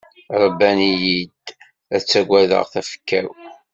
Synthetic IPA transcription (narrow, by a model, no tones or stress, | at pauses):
ɾˤəbːænijid̪ | æt͡sːæɡʷæðə̰ʁθæfə̥kːæ̰w